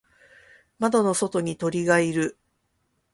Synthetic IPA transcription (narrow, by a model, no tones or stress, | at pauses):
mad̪o̞no̞so̞t̪o̞ɲ̟it̪o̞ɾʲiɡaiɾɯ̟